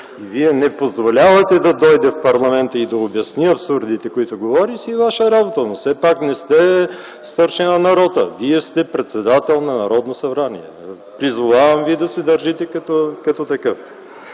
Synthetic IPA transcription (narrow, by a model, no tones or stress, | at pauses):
viɛnɛpozvolʲavɐt̪ɛd̪ɐd̪ɔjd̪ɛfpɐɾlˠɐmɛnt̪əid̪ɐobjɐsniɐpsuɾd̪it̪ɛkoit̪ʊɡovɔɾisivaʃəɾabot̪ənosɛpaknɛst̪ɛ | st̪əɾʃɛnɐnɐɾɔd̪ə̰viɛst̪ɛpɾɛt̪sɛd̪at̪ɛlˠnɐnɐɾɔd̪nosɐbɾanḭɛ̰ | pɾizvovavɐmviɛd̪ɐsɛd̪ɐɾʒit̪ɛkɐt̪ɔkɐt̪ɔt̪ɐkɤf